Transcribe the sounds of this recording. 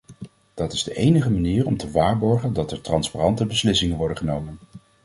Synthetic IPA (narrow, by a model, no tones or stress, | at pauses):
d̥ɑtɪzdəʔejnəχəmaniːɹɔmtəʋaːɹbɔɹχəndɑtɛɹtrɑnsparɑntəbəslɪsɪŋənʋɔɹdəχənowmən